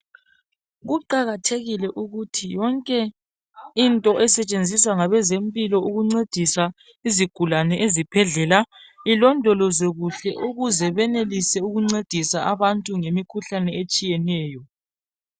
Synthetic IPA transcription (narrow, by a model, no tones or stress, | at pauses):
ɣuǃaɣatʰeɣilɛʔuɣutʰijɔŋkʼɛ | intʼɔʔɛsɛt͡ʃʼend͡zʱiswaŋaβɛzempʼilɔuɣuŋ͡ǀed̥ʱisa | iziɡ̥ʱulanɛʔezib̥ʱɛɮɛːlailɔndʱɔlɔzeɣuɬɛʔuɣuzɛβɛnelisɛuɣuŋ͡ǀed̥ʱisaʔaβantʼuŋemikʰuɬanɛet͡ʃʼijɛnɛːjɔ